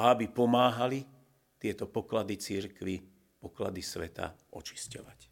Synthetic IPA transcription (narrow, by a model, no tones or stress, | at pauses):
aabipɔmaːɦali | t̪ɪɛt̪ɔpɔklad̪it͡siɾkʋi | pɔkla̰d̪isʋɛt̪a̰ɔ̰t͡ʃi̥scɔʋac